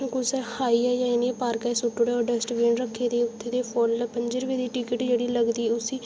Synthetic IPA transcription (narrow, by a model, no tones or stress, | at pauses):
kʊsɛːhaːiːɛːjãːɪneːpaːɾkɛːsʊʈːʊɽeːoːɖəsʈʋẽːɳɾəkʰːeːd̪eːʊt̪ʰːeːd̪eːpʰɔlpəɲd͡ʒəɾʋeːd̪iːʈɪkɪʈd͡ʒeːɽiːləɡd̪iːɛːʊsiː